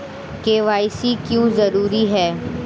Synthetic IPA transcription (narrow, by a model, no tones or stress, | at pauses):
keːʋaːɪsikjõːzɐɾuːɾiɦɛː